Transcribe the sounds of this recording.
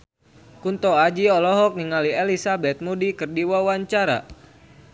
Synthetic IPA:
kunt̪ɔad͡ʒiɔlɔɦɔk̚niŋalielisabɛt̪̚mudikɨrdiwawaɲt͡ʃaɾa̰

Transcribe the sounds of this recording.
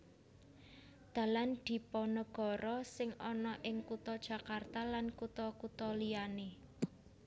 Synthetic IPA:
d̪̥ä̤land̪̥i̤pɔnəɡ̥ɔ̤ɾɔsɪŋɔnɔʔɪŋkut̪ɔd̥ʒ̥ä̤kart̪alankut̪ɔkut̪ɔlijane

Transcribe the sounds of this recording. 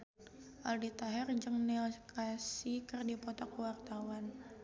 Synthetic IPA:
ʔaldit̪aɦɛrd͡ʒɨŋnɛlkʰasikɨrdipɔt̪ɔkuwart̪awan

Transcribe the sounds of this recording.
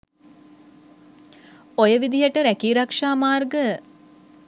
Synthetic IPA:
ojəʋid̪iɦəʈəɾækiːɾakʂaːmaːrɡə

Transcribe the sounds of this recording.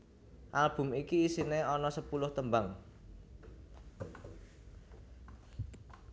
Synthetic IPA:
ʔalb̥ʊ̤mikiːsineɔnɔsəpulʊht̪əmbaŋ

